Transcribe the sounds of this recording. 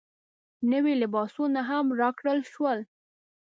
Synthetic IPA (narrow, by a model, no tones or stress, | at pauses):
nəwilɪbɑsunaɦamɾɑkɽəlʃwəl